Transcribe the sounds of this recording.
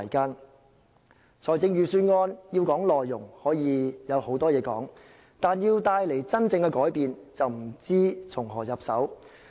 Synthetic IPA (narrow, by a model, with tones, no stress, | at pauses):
jkaː˥n | t͡sʰɔː˨˩jt͡sɪ˧ŋjyː˨syː˧nŋɔː˧njiː˧wkɔː˨˥ŋlɔː˨jːʊ˨˩ŋhɔː˨˥jiː˨˧jɐ˨˧who˨˥wt̪ɔː˥jɛː˨˧kɔ̰ː˨˥ŋ | t̪aː˨njiː˧wt̪aː˧jle˨˩jt͡sɐ˥nt͡sɪ˧ŋkɛ˧kɔː˨˥jpiː˨nt͡sɐ˨wm̩˨˩t͡siː˥t͡sʰʊ˨˩ŋɦɔː˨˩jɐ˨p̚sɐ˨˥w